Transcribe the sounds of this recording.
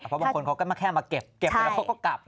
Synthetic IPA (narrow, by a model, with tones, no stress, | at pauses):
pʰɔ˦ba˧ŋko˧nkʰa˦˥wkɔː˥˩ma˥˩kʰɛː˥˩maː˧ke˨˩p̚ke˨˩a˧˥la˦˩˥ka˦˥˩kɔː˥˩ka˨˩p̚